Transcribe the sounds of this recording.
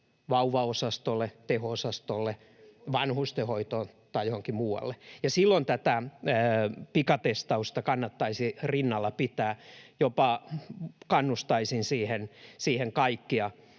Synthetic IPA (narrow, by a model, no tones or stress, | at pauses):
ʋɑuʋɑosɑst̪olːet̪ehoosɑst̪olːe | ʋɑnhust̪ehoit̪oːn | t̪ɑijohoŋkimuːɑ̰lːejɑsilːont̪æt̪æː | pikɑt̪est̪ɑust̪ɑkɑnːɑt̪ːɑisirinːɑlːɑpit̪æːjopɑ | kɑnːust̪ɑisinsiːhensiːheŋkɑikːiɑ